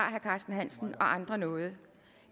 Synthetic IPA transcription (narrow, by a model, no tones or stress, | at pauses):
ɑ̰̈ːɦæɐkʰɑ̈ːsd̥n̩ɦæn̰sn̩ɒ̽ʔɑ̈nd̥ʁɐnɔ̽ːð̞̩ˠə